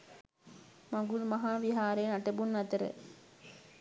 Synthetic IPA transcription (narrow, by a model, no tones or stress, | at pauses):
maŋɡulmɐɦaːʋiɦaːɾeːnaʈəbunʋɐt̪əɾə̰